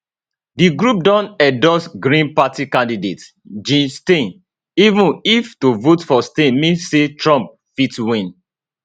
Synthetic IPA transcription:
diɡɹup̚dɔ̃nɛdɔsɡɹĩnpatikãndidet | d͡ʒĩnstẽn | ivũniftovotfɔstẽnmĩnsetɹɔ̃mp̚ | fitwĩn

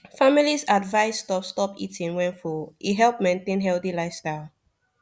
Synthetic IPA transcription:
familisadvaɪsːtɔpstɔpḭtĩŋwɛ̃nfɔʔiɦɛlpmẽntẽnɦɛlθilaɪfstal

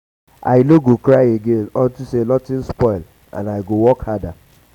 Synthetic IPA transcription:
a̰ɪloɡokɾaɪeɡenɔntusenɔtɪ̃nspɔɪl | ã̰naɪɡowɔkhada

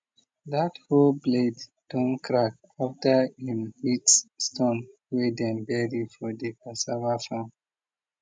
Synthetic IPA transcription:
datholbledd̥ɔ̃nkɹak̚ | aftahĩmhitsstɔ̃nwedɛ̃nbɛɹifɔdekɔ̃nsavafãn

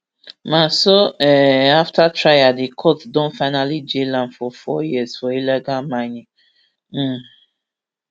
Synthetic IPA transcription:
mãsoɛaftatʰɹajadikʰɔtdɔ̃nfaɪnalid͡ʒelãnfɔfɔjizfɔilɛɡalmãɪ̃nĩŋ̩

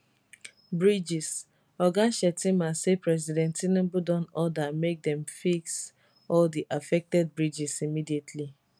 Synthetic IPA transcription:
bɹid͡ʒis | ɔɡaʃɛtimasepɹɛs̬idɛ̃ntinĩbudɔ̃nɔdamek̚d̪ɛ̃mfiks | ɔldiʔafɛk̚tɛd̚bɹid͡ʒisimidietʰli

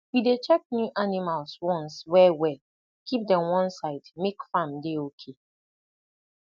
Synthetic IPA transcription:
jidet͡ʃɛk̚njuʔanimalswɔ̃nswɛwɛ | kip̚dɛ̃mwɔ̃nsaɪdmekfãmdeokʰe

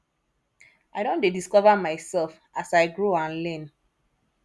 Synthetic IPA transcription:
aɪɾõndediskɔvamaɪsɛlf | asaɪɡɹoãnlɛ̃n

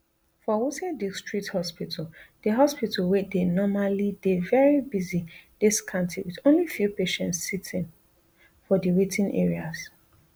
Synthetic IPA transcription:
fɔwutɛ̃distɹ̥ik̚thɔspitʰaldəɦɔspitʰalwedenɔmalidevɛɹibizid̥iskʰãntʰiwidõnlifjupeʃɛ̃ntsːitʰĩn | fɔdiwitʰĩnʔɛ̰ɹiaz

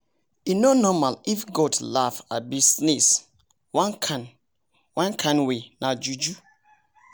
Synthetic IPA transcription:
inɔnɔmalifɡɔdlafa̰bisnis | wãnkʰan | wãnkʰãnwenad͡ʒud͡ʒu

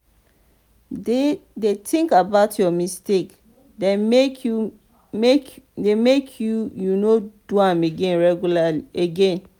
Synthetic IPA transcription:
dedetʰĩŋkabaʊtʰjɔmistek | dɛmeku | medemekʰjujunoduãmeɡɛ̃nɹɛɡjulaliʔeɡẽn

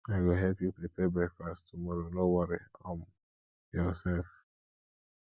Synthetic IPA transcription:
aɪɡoɦɛpjupɾipɛbɛkfasttʰumɔɾonowɔɾiɔ̃m | jɔsɛlf

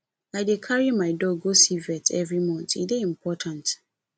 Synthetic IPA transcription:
aɪdekʰaɹimaɪdɔɡosivɛtʰɛvɹimɔ̃ntḭdeĩmpʰɔtʰãnt

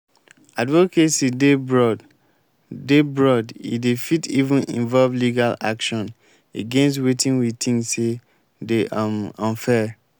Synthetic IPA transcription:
advokesidebɹɔ | debɹɔdḭdefitivũnʔḭ̃ɱvɔlvliɡala̰kʃɔ̃n | eɡɛ̃nstwetĩŋwitʰĩŋse | deʔamɔ̃nfɛ

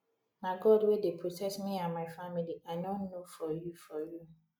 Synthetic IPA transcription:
naɡɔdwedepʰɹotʰɛk̚smianmaɪfamiliaɪnɔ̃nːofɔjufɔju

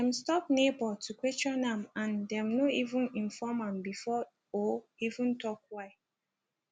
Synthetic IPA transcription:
dɛ̃mstɔp̚nebɔtʰukwet͡ʃɹɔnãmãndɛ̃mnoʔivũnĩnfɔmãmbifɔ | o | ivũntɔkwaɪ

